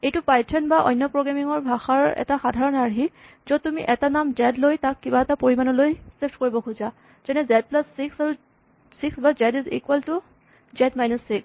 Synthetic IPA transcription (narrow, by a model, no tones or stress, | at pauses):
ejtʊpajtʰɔnbaʔɔ̰jnːɔpɹoɡɹamiŋɔɹbʱaxaɹɛ̰taxadʱaɹɔnaɹɦi | zɔtumiʔɛtanamzɛdlojtakːibaɛtapoɹimanɔlojsepʰtkoɹibɔkʰuza | z̥ɛnɛzɛd̚plasːiksaɹu | siksbazɛdizḭkuwɛltʊ | zɛdmajnusːiks